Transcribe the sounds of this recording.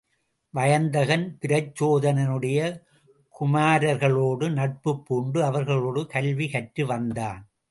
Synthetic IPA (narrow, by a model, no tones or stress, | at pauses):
ʋɐjɐnd̪ɐɣɐnpɪɾɐt͡ʃːoːðɐnɐnɯɽɐjɐ | kʊmaːɾɐɾɣɐɭoːɽɯnɐʈ̚pɯpːuːɳɖɯɐʋɐɾɣɐɭoːɽɯkɐlʋikɐʈɾɯʋɐnd̪aːn